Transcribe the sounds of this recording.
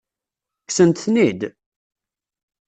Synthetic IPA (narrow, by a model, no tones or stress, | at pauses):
ksənt̪θnid̪